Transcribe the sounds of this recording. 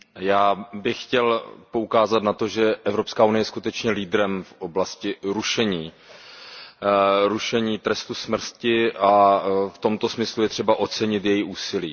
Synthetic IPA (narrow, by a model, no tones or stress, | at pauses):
jaːbɪxxcɛlpo̞ukaːzat̪nat̪o̞ʒɛʔɛvɾo̞pskaːunɪjɛjɛskut̪ɛt͡ʃɲɛliːd̪ɾɛmfʔo̞blascɪɾuʃɛɲiː | ɾuʃɛɲiːt̪ɾɛst̪usmr̩scɪʔaft̪o̞mt̪o̞smɪslujɛt̪r̥ɛbaʔo̞t͡sɛɲɪt̪jɛjiʔuːsɪlḭː